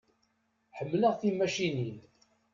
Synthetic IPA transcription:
ħəmːləʁθimæʃinin

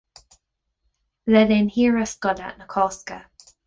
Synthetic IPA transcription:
ðɛðɪnhiːɹəskɔda̰ʔnəkʰɔskə

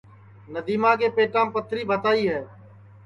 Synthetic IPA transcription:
nəd̪iːmãːkeːpeːʈãːpət̪ʰɾiːbʱət̪aːiːɦɛː

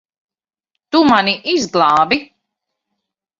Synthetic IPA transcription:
t̪umaniʔizɡlˠɑːbi

